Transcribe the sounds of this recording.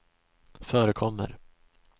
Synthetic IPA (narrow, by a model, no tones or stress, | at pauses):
fœːɾəkʰɔmːə̰ɾ